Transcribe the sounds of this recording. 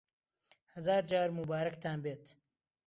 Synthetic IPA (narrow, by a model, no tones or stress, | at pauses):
hɐzaːɾd͡ʒaːɾmubaːɾɐkt̪ʰaːnbeːt̪